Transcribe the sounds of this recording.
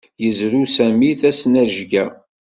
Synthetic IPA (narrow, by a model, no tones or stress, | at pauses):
jəzɾusæmiθæsnæʒɡæ